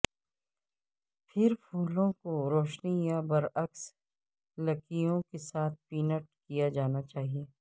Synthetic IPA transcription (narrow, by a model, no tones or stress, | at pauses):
pʰɪɾpʰuːlõkoɾoːʃnijabɐɾɐks | lɐkijõkesaːt̪̚ʰpiːnəʈ̚kijad͡ʒaːnat͡ʃaːɦieː